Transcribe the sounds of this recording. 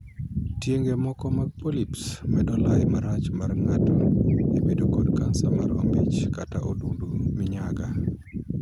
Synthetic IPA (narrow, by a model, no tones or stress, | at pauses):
tjeŋɡemɔkɔmaɡ̚polipsmɛdɔlajmaɾat͡ʃmarŋatoebedokɔdkansamaɾo̰mbit͡ʃkataʔodundumɪɲaɡa